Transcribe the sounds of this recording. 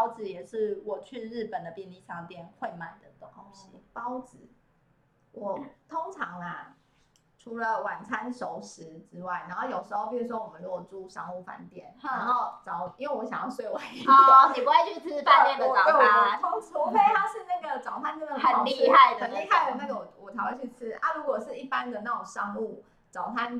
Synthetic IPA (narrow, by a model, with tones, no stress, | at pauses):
ɑ˦ʊt͡sɹ̩˨˩jɛ˨˩ʂɻ̩˥˩wɔ˨˩t͡ɕʰy˥˧ɻ̩˥˩pə˨˩nd̪ə˩pjɛ˥˧nli˥˧t͡sʰɑ˥˩ŋ˨t̪jɛ˥˧˨nxwe˥˧ɪma˨˩nd̪ə˨˩t̪o˥˩ko˥ŋɕi˦pɑ˦˥ʊt͡sɹ̩˨˩˦ | wɔ˨˩˦t̪ʰo˥ŋʈ͡ʂʰɑ˧˦ŋa˦ | ʈ͡ʂʰu˧˥˦lə˨wa˨˩nt͡sʰa˦˥nʂo˧˦ʊʂɻ̩˧˦ʈ͡ʂɻ̩˥wa˥˩ɪna˧˥nxo˥˩ʊjo˨˩ʊʂɻ̩˧˥xo˥˩pi˥˩u˧˥˩wɔ˥˧wɔ˨˩ə˦nɔ˥ɔ˨˩ʈ͡ʂu˥ʂɑ̰˥ŋu˥˩fa̰˧˩nt̪jɛ˥˩na˧˦nxo˥˩ʊt͡sɑ˨˩ʊi˥nwe˥˩ɪwɔ˧˦ɕjɑ˨˩ŋjɑ˥˧ʊswe˥˩ɪwa˨˦n˨˩˥i˨˩pu˧˦we˥˧ɪt͡ɕʰy˥˩t͡s̩ʰ˥a˥˧n˥˩t̪jɛ˥˨nd̪ə˨ɑ˨we˥˩ɔ˨˧˩t̪ʰo˥ŋt͡sʰu˥˩˧ke˥˧ɪt̪ʰa˥ʂɻ̩˥˧na˥˩ɡə˩ʈ͡ʂɑ˨˩ʊt̪ʰa˥˧nt͡sə˥˧nə˥˩ə˨˩˥li˥˧˥a˥˩ɪd̪əə˨˩nli˥˧ɦa˥˩ɪwɔ˨˩na˥˩ɡə˩wɔ˨˩wɔ˨˩t̪ʰʊwa˥nt͡ɕʰy˥˧˩t͡s̩ʰ˥ʔa̰˥ɻu˧˥kwɔ˨˩ʂɻ̩˥˩i˥˩pa˦˥nd̪ə˨na˥˩o˨˩ŋʂɑ˥ŋu˥˩ | t͡sɑ˨˩ʊt̪ʰa˦n